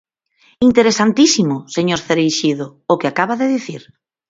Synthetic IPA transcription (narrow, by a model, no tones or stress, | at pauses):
int̪eɾesant̪isimʊseɲoɾθeɾejʃiðʊʊkɪakaβaðeðiθiɾ